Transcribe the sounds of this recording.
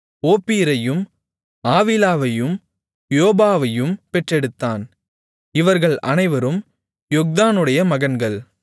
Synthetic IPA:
oːpːiːɾɐjɯm | aːʋilaːʋɐjɯm | joːbaːʋɐjɯmpɛʈrɛɽɯt̪ːaːn | ɪʋɐɾɣɐɭɐ̰nɐɪʋɐɾɯm | jɔk̚d̪aːnɯɽɐjɐmɐɣɐnɡɐɭ

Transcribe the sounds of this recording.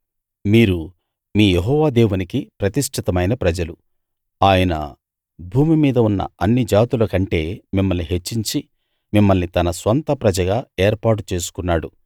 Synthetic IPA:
miːɾu | miːjeɦɔːʋaːd̪eːʋunikipɾɐt̪iʂʈʰit̪ɐmɐjnɐpɾɐd͡ʒɐlu | aːjɐnɐ̰ | bʱuːmimiːd̪ɐunːɐ̰ɐnːid͡ʒaːt̪uloːkɐɳʈe̞ːmimːɐlniɦet͡ʃːiɲt͡ʃi | mimːɐlnit̪ɐnɐsʋɐnt̪ɐpɾɐd͡ʒɐɡaːeːɾpaːʈ̬ut͡ʃe̞ːsu̥kunːaːɽu

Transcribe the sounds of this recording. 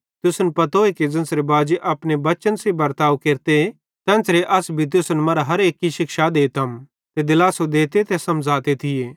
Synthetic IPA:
t̪ʊsnpɐt̪oːeked͡zɐ̃nsɾebaːd͡ʒeʔɐpnebɐt͡ʃənsebɐɾt̪aːukeːɾt̪e | t̪ɛ̃ːnsɾeʔɐsbʱit̪̬ʊsnmɐɾaɦɐɾeːkːiʃɪkʃad̪eːt̪ɐm | t̪ed̪ɪlaːsod̪eːt̪et̪esɐmd͡zaːt̪et̪ʰɪjeː

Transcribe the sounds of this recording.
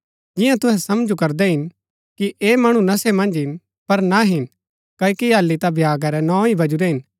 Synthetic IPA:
d͡ʒɪjãt̪ʊɦɛsɐmd͡ʒukɐɾd̪ɛɦɪn | kiʔeːmɐɽ̃unɐsemɐ̃nd͡ʒɦɪn | pɐɾnaɦɪn | kɐːikiaːlːit̪abʱjaːɡaɾɛnɔ̃ːibɐd͡ʒuɾɛɦɪn

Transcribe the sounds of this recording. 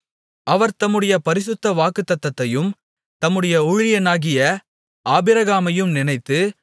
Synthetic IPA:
ʔɐʋɐɾt̪ɐmːɯɽɐjɐpɐɾɪsɯt̪ːɐʋaːkɯt̪ːɐt̪ːɐt̪ːɐjɯm | t̪ɐmːɯɽɐjɐʊɻɪjɐnaːɣɪjɐ | aːbɪɾɐɣaːmɐjɯmnɪnɐɪt̪ːɯ

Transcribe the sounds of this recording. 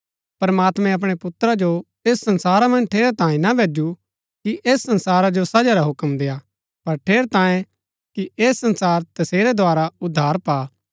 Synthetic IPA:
pɐɾmaːt̪mɛ̃ɐp̬ɽ̃epʊt̪ɾad͡ʒo | eːsːɐ̃nsaːɾamɐ̃nd͡ʒʈʰeːɾt̪ãːẽnabʱeːd͡ʒu | kiʔeːsːɐ̃nsaːɾad͡ʒosɐd͡ʒaɾaɦʊkəmd̪eːa | pɐɾʈʰeːɾt̪ãːjẽ | kiʔeːsːɐ̃nsaːɾt̪ɐseːɾed̪ʱoaːɾaʊd̪ʱːaːɾpaː

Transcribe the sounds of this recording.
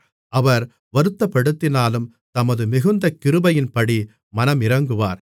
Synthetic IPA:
ʔɐʋɐɾ | ʋɐɾɯt̪ːɐpːɐɽɯt̪ːɪnaːlɯm | t̪ɐmɐðɯmɪɣɯnd̪ɐkːɪɾɯbɐjɪnpɐɽi | mɐnɐmɪɾɐŋɡɯʋa̰ːɾ

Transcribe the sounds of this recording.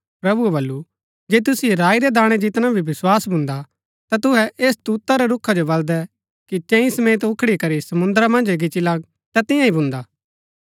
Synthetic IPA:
pɾɐbuɛβɐlːu | d͡ʒeːt̪̬ʊsieɾaːiɾɛd̪aːɽ̃ɛd͡ʒɪt̪ñabʱibɪswaːsbʱʊ̃nd̪a | t̪at̪ʊɦɛʔeːst̪uːt̪ːaɾɛɾʊkʰːad͡ʒobɐld̪ɛ | kit͡ʃɛ̃ĩsɐmeːt̪̬ʊkʰɽikɐɾisɐmʊ̃nd̪ɾamɐ̃nd͡ʒɡɪt͡ʃilaːɡ̚ | t̪at̪ɪ̃jãibʱʊ̃nd̪aː

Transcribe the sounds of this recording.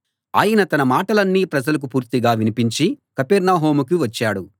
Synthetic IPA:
a̰ːjɐnɐt̪ɐnɐmaːʈɐlɐnːiːpɾɐd͡ʒɐlɐk̬upuːɾt̪iɡaːʋinipiɲt͡ʃikɐpɛɾnaːɦo̞ːmuk̬iʋɐt͡ʃːaːɽu

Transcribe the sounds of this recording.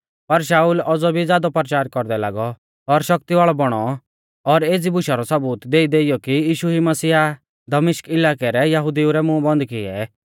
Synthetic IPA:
pɐɾʃ̬aːuːlɔd͡zɔbʱid͡zjaːd̪ɔpɾɐt͡ʃaːɾkɔɾd̪ɛla̰ːɡɔ | ɔɾʃɐk̚t̪iʋaːɭɔbɔɽ̃ɔ | ɔɾeːd͡zibʊʃaɾɔsɐbuːt̪d̪eːid̪eːɪjɔkijiːʃuimɐsiːa | d̪ɐmɪʃkɪlaːkɛɾɛjɐɦʊd̪iuɾɛmʊ̃bɔ̃nd̪kɪɛ̰

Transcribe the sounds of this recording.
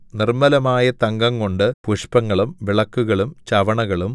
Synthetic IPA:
nirmɐlɐmaːjɐt̪ɐŋɡɐŋko̞ɳɖɨpuʂpɐŋːɐɭumʋiɭɐkːuɣɐɭumt͡ɕɐʋɐɳɐɣɐɭum

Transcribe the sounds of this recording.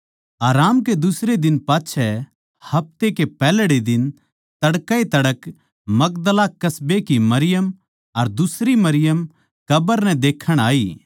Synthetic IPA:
aːɾaːmked̪ʊsɾed̪ɪnpaːtːt͡ʃʰɛ | hɐp̚t̪ekepɛːlɽid̪ɪn | t̪ɐɽkaet̪ɐɽək | mɐk̚d̪əlakɐsbekimɐɾɪjəm | ɐɾd̪ʊsɾimɐɾɪjəm | kɐbəɾnɛ̃d̪eːkʰːəɽ̃aːiː

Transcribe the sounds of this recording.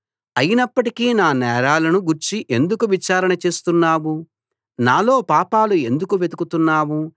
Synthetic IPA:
ɐjinɐpːɐʈikiːnaːnɛːɾaːlɐnuɡuɾt͡ʃiʔe̞nd̪ukuʋit͡ʃaːɾɐnɐt͡ʃe̞ːst̪unːaːwu | naːlo̞ːpaːpaːlue̞nd̪ukuʋed̪ukut̪unːaːwu

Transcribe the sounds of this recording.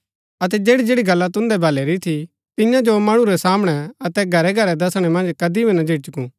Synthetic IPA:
ɐt̪ɛd͡ʒeːɽid͡ʒeːɽiɡɐlːat̪ʊ̃nd̪ɛbʱɐlɛɾit̪ʰi | t̪ɪ̃jãd͡ʒomɐɽ̃ũɾɛsaːmɽ̃ɛɐt̪ɛɡʱɐɾɛɡʱɐɾɛd̪ɐsɽ̃ɛmɐ̃nd͡ʒkɐd̪ibinɐd͡ʒʱeːʈt͡ʃʊkũː

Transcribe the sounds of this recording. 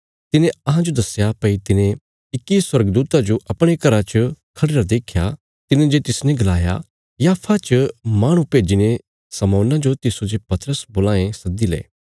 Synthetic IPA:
t̪ɪnẽɐɦãd͡ʒod̪ɐsjapɐit̪ɪnẽ | ɪkːiswɐɾɡd̪uːt̪ad͡ʒoʔɐpɽ̃ekɐɾat͡ʃɐkʰɐɽeːɾad̪eːkʰja | t̪ɪnẽd͡ʒet̪ɪsnɛ̃ɡɐlaːja̰ | jaːpʰat͡ʃəmaːɽ̃ũpeːd͡ʒine | sɐmɔ̃ːnãd͡ʒot̪ɪsod͡ʒepɐt̪əɾəsboːlãːẽsɐd̪ilḛː

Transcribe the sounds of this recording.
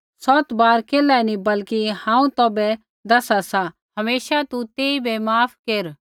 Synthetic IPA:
sɔːt̪baːɾkeːlanĩbɐlkihãːũt̪oːbɛ | d̪ɐsasa | hɐmeːʃat̪ut̪eːibɛmaːpʰkeɾ

